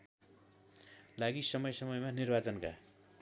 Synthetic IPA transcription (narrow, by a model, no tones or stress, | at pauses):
laɡisʌmʌjsʌmʌjmanirbat͡sʌnka̰